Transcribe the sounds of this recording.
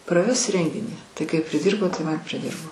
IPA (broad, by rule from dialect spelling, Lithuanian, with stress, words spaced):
prɐˈʋʲɛs ˈrʲɛŋʲɡʲɪnʲiː ˈtɐɪ kɐɪ pʲrʲɪˈdʲiːrboː ˈtɐɪ ˈmɐn pʲrʲɪˈdʲɪrboː